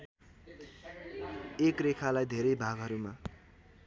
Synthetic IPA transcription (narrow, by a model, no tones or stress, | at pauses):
ekrekʰalajd̪ʱeɾʌjbʱaɡɦʌɾuma